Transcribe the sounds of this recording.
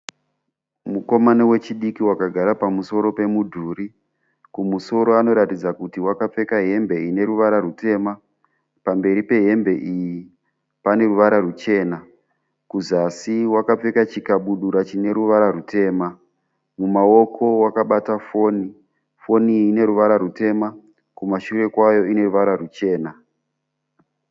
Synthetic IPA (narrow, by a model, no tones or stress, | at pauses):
muko̞manewe̞t͡ʃiɗikiwakaɡʱaɾapamuso̞ɾo̞pe̞mudʱuːɾi | kumuso̞ɾo̞ano̞ɾatid͡zakutiwakap͡fe̞kaɦe̞mbe̞ine̞ɾuʋaɾarute̞ːma | pambe̞ɾipe̞ɦe̞mbe̞ʔiji | pane̞ruʋaɾarut͡ʃe̞ːna | kuzasiwakap͡fe̞kat͡ʃikaɓuɗuɾat͡ʃine̞ɾuʋaɾarute̞ːma | mumao̞kʰo̞wakaɓatafo̞ːni | fo̞niːne̞ɾuʋaɾaɾute̞ma | kumaʃure̞kwajo̞ine̞ruʋaɾarut͡ʃe̞ːna